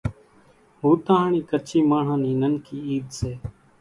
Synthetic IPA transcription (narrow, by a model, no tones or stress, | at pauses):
ɦuːt̪ãːɦɳiːkət͡ʃʰiːmaːɳ̤ãːniːnənkiːiːd̪seː